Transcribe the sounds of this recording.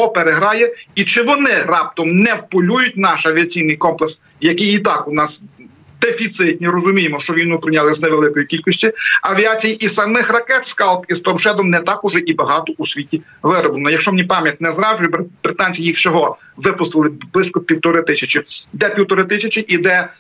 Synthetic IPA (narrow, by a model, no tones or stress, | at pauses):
pɔpeɾeɦɾɑjɛit͡ʃɪʋɔnɪrɑp̚t̪ɔmnɛwpʊlʲujʊt̚ʲnɑʃɐʋʲiɐt͡sʲijnɪjkɔmplˠeks | jɐkɪjit̪ɑkʊnɑs | d̪efʲit̪sɪt̪ʲnʲiɾɔzʊmʲijemɔʃt͡ʃɔʋʲijnupɾɪnʲalˠɪzneʋelˠɪkɔjikʲilʲkɔsʲtʲiɐʋʲiɑt͡sʲijiʔisɐmɪxrɐkɛt̪skɑlˠt̪ist̪ɔmʃɛd̪ɔmnɛt̪ɑkʊʒɛʔibɐɦɑt̪ɔʔusʲʋʲitʲi | ʋɪɾɔblˠnɔjɐkʃt͡ʃɔmnʲipɑmʲjɐt̚ʲnɛzɾɑʒʊjɛbbɾɪt̪ɑnʲt͡sʲijixwsʲɔɦɔ | ʋɪpʊst̪ɪlˠɪblˠɪsʲkɔpʲiwt̪ɔɾɪt̪ɪsʲɐt͡ʃɪd̪ɛpʲiwt̪ɔɾɪt̪ɪsʲɐt͡ʃʲɪʔid̪ɛ